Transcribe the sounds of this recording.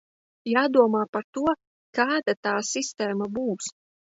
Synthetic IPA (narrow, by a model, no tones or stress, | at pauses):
jaːd̪uɔmaːpaɾt̪uɔ | kaːd̪at̪aːsist̪ɛːmabuːs